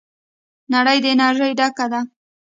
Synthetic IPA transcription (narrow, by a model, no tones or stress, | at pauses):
naɽəjd̪əenɑʒəjɖakad̪a